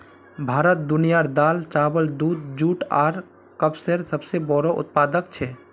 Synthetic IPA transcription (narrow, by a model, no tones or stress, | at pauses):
bʱaːɾət̪̚d̪unijaɾd̪alt͡ʃabəld̪ud̪̚d͡ʒuʈa̰ːɾ | kəbseɾsəbsebɔɾɔʔṵt̪̚pad̪əkt͡ʃʰɛ